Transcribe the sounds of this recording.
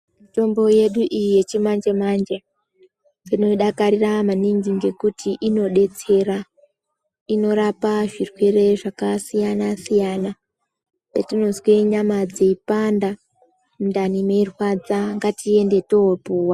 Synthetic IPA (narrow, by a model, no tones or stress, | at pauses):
mito̞mbo̞je̞ɗuʔijije̞t͡ʃimand͡ʒemand͡ʒe | d͡zeno̞ɗakaɾiramaniŋɡiŋɡe̞kutʰiʔino̞ɗe̞t͡se̞ɾa | ino̞ɾapaʐirwere̞ʐakasijanasijana | petino̞zweɲamad͡zeipanda | mundanimeirwad͡zaŋɡatie̞nde̞to̞opuːwa